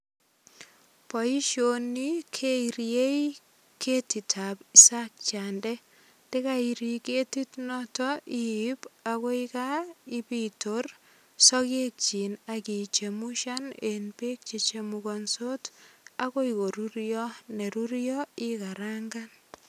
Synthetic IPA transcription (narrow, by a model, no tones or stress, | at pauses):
pɔiʃonikʰeiɾjei | kʰetitʰapisak̚t͡ʃandɛ | tekaiɾiketitnɔtɔʔiipakɔikaibitor | sɔkek̚t͡ʃinakit͡ʃemuʃanenbek̚t͡ʃet͡ʃemuɡɔnsotakɔikoɾuɾjɔneɾuɾjɔikaɾaŋɡan